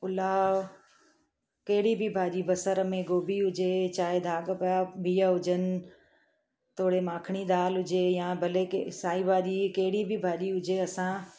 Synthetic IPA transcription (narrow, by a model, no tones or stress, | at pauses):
ʊla | kɐɦɪɽibʱibʱaːʄibʱɐsəɾəmẽɡoːbʱiɦʊd͡ʑet͡ɕaːɦed̪ʱaːɠəpjabʱiːjəɦʊd͡ʒənɪ̆ | t̪ʰoːɽemãːkʰɽ̃id̪aːlɦʊd͡ʑejãːbʱɐlekesaːibʱaːʄikɐɦɪɽibʱibʱaːʄiɦʊd͡ʑeɐsãː